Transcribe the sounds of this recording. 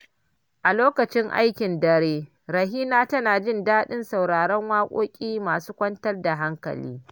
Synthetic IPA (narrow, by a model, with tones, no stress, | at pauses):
ʔa˨loː˦kɐ˨t͡ʃɪ˦ŋʔa̰˦jkʲɪ˨ndɐ˦ɽeː˦ | ɾɐ˨ɦiː˦naː˦tɐ˦naː˨d͡ʒɪ˦˨ndaː˦ɗɪ˦nsa˨wɽaː˨ɽɐ˦ŋwaː˦kʷʼoː˦kʲʼiː˦maː˨suː˦kʷɐ˦ntɐ˦rda˨ɦa˦ŋkɐ̰˨lḭː˦